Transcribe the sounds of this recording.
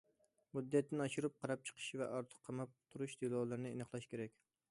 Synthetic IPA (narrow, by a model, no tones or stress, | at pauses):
mud̪ːɛt̪ːɪnɑʃuɾup̚qʰɑɾɑp̚t͡ʃʰə̥qʰə̥ʃvɛʔɑɾt̪ʰə̥qʰːɑmɑp̚t̪ʰuɾuʃd̪̥ɪlˠɑːlˠɨɾnɪenɨχlˠɑʃkʲeɾɛkʲ